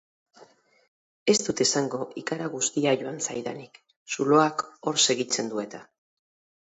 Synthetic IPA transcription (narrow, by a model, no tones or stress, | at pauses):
e̞st̪ut̪e̞saŋɡo̞ʔikaɾaɣ̞ust̪iaʝo̞ansajðanik | sulo̞ako̞ɾse̞ɣit͡se̞nd̪ue̞t̪a